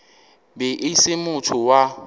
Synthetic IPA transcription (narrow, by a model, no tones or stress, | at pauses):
bɛʔɪsɪmʊtʰʊwa